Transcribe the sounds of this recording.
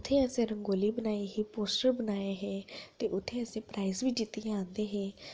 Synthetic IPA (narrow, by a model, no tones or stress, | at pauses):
ʊt̪ʰːẽːəsẽːɾəŋɡoːliːbənaːeːɦiːpoːsʈəɾbənaːeɦɛːt̪eːʔʊt̪ʰːẽːəsẽːpɾaːizʋiːd͡ʒɪt̪ːijããːnd̪eːɦɛː